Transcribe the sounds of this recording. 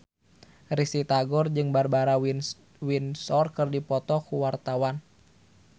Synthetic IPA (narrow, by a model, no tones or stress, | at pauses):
risit̪aɡɔrd͡ʒɨŋbarbaɾa | winsɔrkɨrdipɔt̪ɔkuwart̪awan